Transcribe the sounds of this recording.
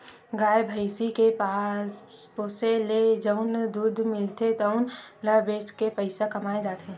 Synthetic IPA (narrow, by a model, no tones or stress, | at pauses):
ɡaːjebʱəɪsikepaːspoːseled͡ʒɐʊnd̪uːd̪ʱmɪlt̪et̪əʊnlɐbeːt͡ʃkepəɪsakɐmaːed͡ʒaːt̪e